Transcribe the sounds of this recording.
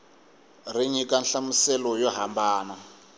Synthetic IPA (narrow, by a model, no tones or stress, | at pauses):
riɲikanɬamusɛlɔjɔɦambaːna